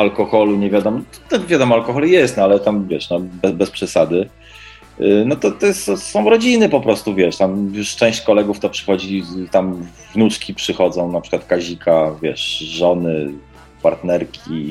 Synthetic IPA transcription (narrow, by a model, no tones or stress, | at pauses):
alkɔxɔluɲɛvʲjad̪ɔmɔt̪avʲjad̪ɔmɔalkɔxɔlɛjɛst̪nalɛt̪amvʲjɛʂnɔbɛbɛspʂɛsad̪ɘ | nɔt̪ɔt̪ɔjt̪sɔsɔ̃w̃ɾɔd͡ʑinɘpɔpɾɔst̪uvʲjɛʂt̪amjuʂt͡ʂɛ̃w̃ɕt͡ɕkɔlɛɡuft̪ɔpʂɘ̥xɔd͡ʑit̪am | vnut͡ʂkʲipʂɘxɔd̪zɔ̃w̃napʂɘ̥kwat̪̚kaʑikʰavʲjɛʂʐɔnɘ | paɾt̪nɛɾkʲʰi